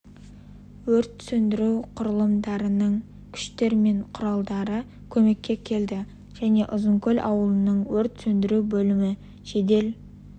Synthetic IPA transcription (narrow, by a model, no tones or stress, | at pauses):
wɵɾt̪sɵnd̪ɪɾuwqʰʊɾəlˠəmd̪ɑɾənəɴ | kʲʰʏ̥ʃt̪e̞ɾme̞ɴqʰʊɾɑlˠd̪ɑɾə | kʲʰɵme̞kʲːe̞kʲʰe̞ld̪ɪ | ʒ̥æne̞ʔʊzəŋkʲʰɵlʲʔɑ̰wəlˠənəɴwɵɾt̪sɵnd̪ɪɾuwbɵlɪmɪ | ʒ̥e̞d̪e̞l